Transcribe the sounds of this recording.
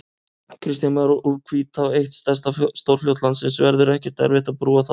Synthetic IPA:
kʰɾɪst̪janmaɾuʔukʰviːt̪awejht̪st̪ɛst̪ast̪owɾ̥fl̥jowt̪lansɪnsvɛɾðʏɾɛhcɛ̥ɾ̥t̪ɛ̰a̰ɾvɪːht̪apɾuːaθa

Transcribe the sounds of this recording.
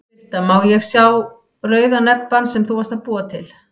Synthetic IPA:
t̪amawjɛɣsjaw | rœːɥðanɛpːansɛmθuvast̪aðpuːat̪ʰɪl

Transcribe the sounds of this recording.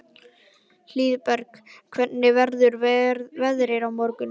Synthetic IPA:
l̥iːðpɛɾkkʰvɛt̪nːɪvɛɾðʏɾvɛðɾɪɾawmɔɾkʏn

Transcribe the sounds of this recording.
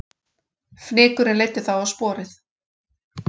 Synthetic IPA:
fnɪːkʏɾɪnleːjt̪ɪθawawspɔːɾɪθ

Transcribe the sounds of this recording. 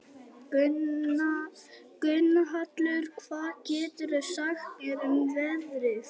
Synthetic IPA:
kʏnːaɦat̪lʏɾ̥kʰv̥aːðcɛːt̪ʏɾɛsaxkɛɾɪmvɛvɾɪθ

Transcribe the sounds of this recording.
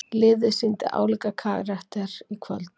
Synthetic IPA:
lɪːðʏsint̪ɪ̰ʔa̰ːwlikakʰaːɣɾaht̪aɾ̥ikʰvœ̰lt̪

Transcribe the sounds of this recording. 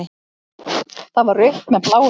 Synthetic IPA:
ɪ | θaðvaɾʏht̪mɛð̥pʰlaːw

